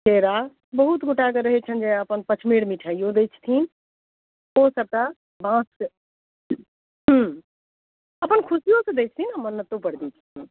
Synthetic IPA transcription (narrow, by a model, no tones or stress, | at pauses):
kʰeːɾa | bəɦut̪ɡʊʈʰak̬əɾəɦɛt͡ʃʰənd͡ʒɛ̃əpənpət͡ʃʰmeːɽmiʈʰaːijõd̪eːt͡ʃʰt̪ʰiːn | osəb̚ka | bãːs | ɦə̃ | əpənkʰʊsijõsẽd̪eːt͡ʃʰt̪ʰinamənːət̪opəɽd̪ĩt͡ʃʰt̪ʰin